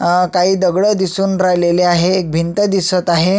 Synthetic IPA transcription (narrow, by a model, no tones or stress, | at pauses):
kaɦiːd̪əɡɽəd̪isuːnɾajleleaɦeːk̚bʱint̪əd̪isət̪aɦe